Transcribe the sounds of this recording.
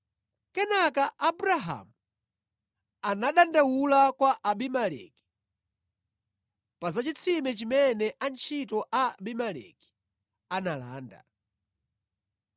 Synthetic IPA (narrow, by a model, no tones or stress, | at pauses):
kɛnakaʔabuɾaɦa̰mu | anaɗandawulakwaʔaɓimalɛ̰ki̥ | pazat͡ʃit͡sʰimɛt͡ʃimɛnɛʔant͡ʃʰitɔʔabimalɛ̰ki̥ | anala̰ːnda̰